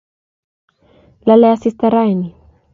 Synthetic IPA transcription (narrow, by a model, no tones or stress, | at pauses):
laleasist̪aɾajni